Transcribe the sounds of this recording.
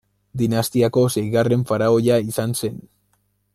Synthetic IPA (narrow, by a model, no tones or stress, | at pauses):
d̪inast̪iako̞sejɣare̞ɱfaɾao̞ʎaisanse̞n